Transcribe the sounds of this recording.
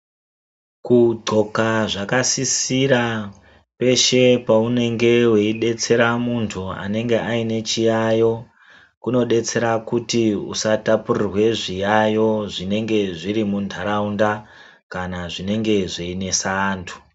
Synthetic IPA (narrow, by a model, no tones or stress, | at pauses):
kud͡ʐo̞kaʐakasisiɾa | pe̞ʃe̞paune̞ŋɡe̞we̞iɗe̞t͡se̞ɾamuntʰua̰ne̞ŋɡe̞ʔaine̞t͡ʃijajo̞ | kuno̞ɗe̞t͡se̞ɾakutiṵsatapurirwe̞ʐijajo̞ʐine̞ŋɡe̞ʐiɾimundʱaɾaunda | kanaʐine̞ŋɡe̞ʐeine̞saːntʰu̥